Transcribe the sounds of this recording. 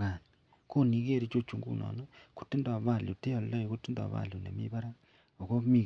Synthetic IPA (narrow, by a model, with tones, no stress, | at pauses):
ɣa˨n | ko˦ni˨ɣe˦˨ɾe˦t͡ʃo˦t͡ʃu˨ŋɡṵ˦nʔɔ̰˨nɔ˦ku̥˨ti˦ndo˨a˨βa˨ljo˨te˦ɔ˨llɔ˦i˨ko˦ti˦ndo˨a̰˨βa̰˨ljo˨nḛ˨mḭ˦βa˦ɾa˦ | o˨ko˦mi˦˨